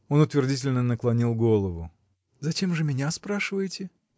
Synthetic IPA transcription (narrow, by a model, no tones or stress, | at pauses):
o̞nʊt̪vʲɪrdʲitʲɪlʲnənəklˠɐnʲilˠɡolˠəvʊ | zɐt͡ɕe̞mʐɨmʲɪnʲaspɾaʂɨvəjɪtʲɪ